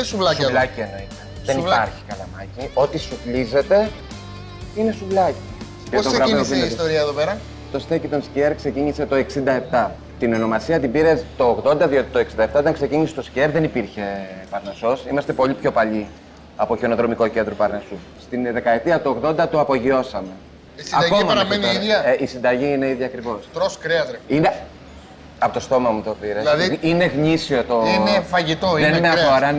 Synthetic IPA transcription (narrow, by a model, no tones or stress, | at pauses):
suvlɐslɐcieno̞it̪e̥ | ðe̞niiɐɾçi̥kɐlɐmɐcio̞t̪isuvlize̞t̪e̞ | ine̞suvlɐci | cet̪oɣɾɐesieist̪oɾiɐeðopeɾɐ | t̪o̞st̪ecit̪o̞nsceɾkse̞ciɲise̞t̪o̞e̞ksind̪ɐep̚t̪ɐ | t̪ino̞no̞mɐsiɐt̪ibiɾest̪o̞ːɣðo̞nd̪ɐðio̞t̪i̥t̪oeksind̪ɐeft̪ɐot̪ɐŋkse̞ciɲisest̪o̞sceɾðe̞nipiɾçe̞pɐɾneso̞simɐst̪e̞po̞ʎipço̞pɐʎi | ɐpo̞çeno̞ðɾo̞mikoce̞nd̪ɾupɐɾnesu | st̪inðe̞kɐe̞t̪iɐt̪oːɣðo̞nd̪ɐt̪uɐpo̞ʝio̞sɐme̞ | isɐd̪ɐkomɐɐɾɐmenioiðɐʔisind̪ɐʝiine̞iðʝiɐkɾivo̞st̪ɾoskɾeɐt̪ɾeine | ɐpo̞t̪ost̪o̞mɐmut̪obiɾesɐðine̞ɣɲisiot̪o̞efɐʝit̪oenmeɐoɾɐ